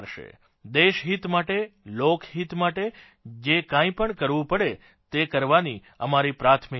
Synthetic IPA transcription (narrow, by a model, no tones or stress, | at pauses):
ɾʃḛ | d̪eʃɦit̪maʈelokʰɦit̪maʈe | d͡ʒekãĩpəɳkəɾʋũpəɽe | t̪ekəɾʋani | əmaɾipɾat̪ʰmi